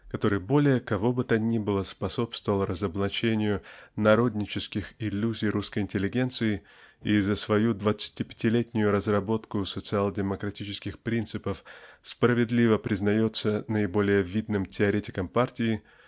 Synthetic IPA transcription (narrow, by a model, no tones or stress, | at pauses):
kɐt̪o̞ɾɨjbo̞lʲɪjəkɐvo̞bɨt̪ənʲibɨlˠəspɐso̞pst̪vəvəlˠrəzəblˠɐt͡ɕenʲɪjʊnɐɾo̞d̪ʲnʲɪt͡ɕɪskʲɪxɪlʲːuzʲɪjruskəjɪnʲtʲɪlʲːɪɡʲe̞nt̪sɨɪ | izəsvɐjud̪vət̪sɨ̥tʲipʲɪ̥tʲɪlʲetʲnʲʊjʊɾəzrɐbo̞t̪kʊsət̪sɨalˠdʲɪməkɾɐtʲit͡ɕɪskʲɪxpɾʲint̪sɨpəfspɾəvʲɪd̪lʲivəpɾʲɪznɐjo̞t̪sənəɪbo̞lʲɪjəvʲid̪nɨmtʲɪɐɾʲetʲɪkəmpartʲɪɪ